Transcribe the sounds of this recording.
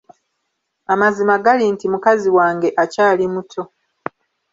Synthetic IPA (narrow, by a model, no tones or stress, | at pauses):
amazimaɡalintimukaziwaːŋɡe̞ʔacaːlimutʰo̞